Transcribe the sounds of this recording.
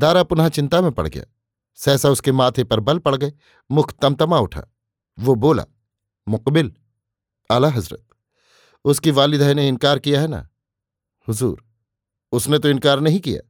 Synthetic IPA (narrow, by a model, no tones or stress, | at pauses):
d̪aːɾapʊnɦat͡ʃɪ̃nt̪amẽpɐ̰ɽ̤ɡɐ̰ja̰ː | sɛːsaʊskemaːt̪ʰepɐɾbɐlpɐɽɡɐe | mʊkʰt̪ːɐmt̪ɐmaʊʈʰa̰ː | ʋoboːla̰ | mʊqbɪl | aːlaɦɐzɾə̰t̪̚ | ʊskiʋaːlɪd̪ʱɦajneɪnkaːɾkijaɦɛna̰ | hʊzṵːɾ | ʊsnet̪̬oɪ̃nkaːɾnɐɦĩkija̰ː